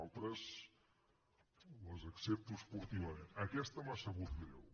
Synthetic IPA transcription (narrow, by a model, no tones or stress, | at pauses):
lˠt̪ɾəs | ləzəksep̚t̪uspuɾt̪iβəməkɛst̪əmasəɣut̪lɛw